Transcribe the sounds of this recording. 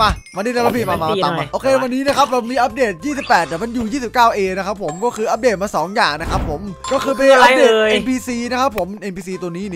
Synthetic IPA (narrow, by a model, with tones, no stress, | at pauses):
a˧˩ma˧ni˥˩a˧ɾa˧˥pʰiː˧˩a˧˩a˧a˧˨ma˧˩ʔoː˧kʰeː˧wa˧nːiː˦˥na˦˥kʰa˦˥p̚ɾa˧˩wmiː˧ʔa˦˥p̚deː˨˩t̪̚jiː˥˩si˨˩pːɛː˨˩t̪̚t̪ːɛ˨˩ma˧njuː˨˩jiː˥˩si˨˩p̚kaː˥˩wʔeː˧na˦˥kʰa˦˥pʰːo˨˩˦mkɔː˥˩kʰɯː˧ʔa˦˥p̚deː˨˩t̪̚maː˧sɔː˩˦ŋjaː˨˩ŋna˦˥kʰa˦˥pʰːo˩˦mkɔː˥˩kʰɯː˧p̬a˧ʔa˦˥p̚deː˨˧e˧npʰiː˧siː˧na˦˥kʰa˦˥pʰːo˩˦mʔe˧npʰiː˧siː˧t̪u˧niː˦˥ni˧˩